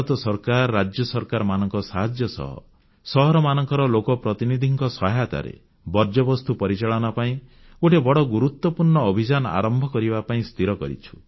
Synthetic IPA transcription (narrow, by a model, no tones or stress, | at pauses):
t̪ɔsɔɾkaɾɔɾad͡ʒjɔsɔɾkaɾɔmanɔŋkɔsaɦad͡ʒjɔsɔ̰ɦɔ̰ | sɔɦɔɾɔmanɔŋkɔɾɔlokɔpɾɔt̪inid̪ʱiŋkɔsɔɦat̪a̰ɾḛ | bɔɾd͡ʒɔbɔst̪upɔɾit͡ʃaɭɔnɔpaĩ | oʈebɔɽɔɡuɾut̪wɔpuɾɳɔːbʱid͡ʒanɔa̰ɾɔmbʱɔkɔɾibapaĩst̪ʰiɾɔkɔɾḭt͡ʃʰu̥